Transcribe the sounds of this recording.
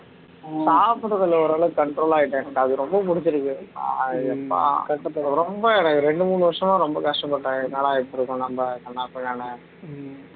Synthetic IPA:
saːpɯɽɐðɐlɔɾɐːlɐkɐɳʈɾoːlaːjɪʈːɯɛnɐʈːɐðɯɾɔmbɐpʊɽɪt͡ʃːɪɾɯkːɯ | ɛpːa̰kɐɐɾɔmbɐɛnɐkːɯɾɛɳɖɯmuːɳɯʋɐɾʂɐmãːɾɔmbɐkɐʂʈɐmpːɐʈːaːnɐɭaːɪpːɪɾɯkːʊ̃nɐmbɐkɐnːaːpɐɳːaːnɯ

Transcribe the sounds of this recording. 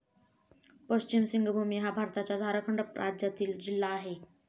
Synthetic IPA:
pəɕt͡ɕimsiŋɡʱbʱumiɦabʱaɾt̪at͡ɕjad͡zʱaɾakʰəɳɖəpɾad͡ʑjat̪iːld͡ʑilːaːɦe

